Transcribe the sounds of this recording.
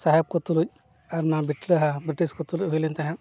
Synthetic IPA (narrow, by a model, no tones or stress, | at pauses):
saɦɛb̚kɔt̪uluc̚ | aɾnabiʈləɦabɾiʈiskɔt̪uluɦujlint̪aɦɛ̃